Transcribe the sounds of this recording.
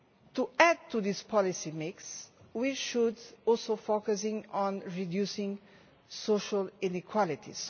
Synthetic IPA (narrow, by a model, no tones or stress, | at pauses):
t̪uæd̚t̪ʰuðispʰɔlisimɪkswiʃudɔlsofokəs̬ɪ̃ŋɔ̃nɹidjusɪ̃ŋ | soʃəlɪ̃nikʰwɔlɪt̪ʰḭs